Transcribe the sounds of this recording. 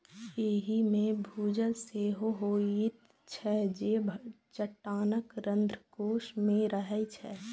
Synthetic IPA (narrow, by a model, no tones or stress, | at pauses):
eːɦimẽbʱuːd͡ʒəlseːɦoɦoːii | t͡ʃʰɛd͡ʒeːbʱ | t͡ʃəʈːaːnəkɾə̃nd̪ʱɾəkoːʃmẽɾəɦɛt͡ʃʰɛː